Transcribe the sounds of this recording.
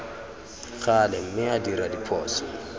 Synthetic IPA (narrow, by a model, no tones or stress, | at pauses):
ɣalɛm̩mɪadiɾadipʰɔːsɔ